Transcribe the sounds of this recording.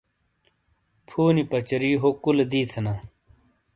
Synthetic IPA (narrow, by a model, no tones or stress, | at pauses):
pʰuːnipɐt͡ɕɐɾiːɦokuld̪iːt̪ʰɐnaː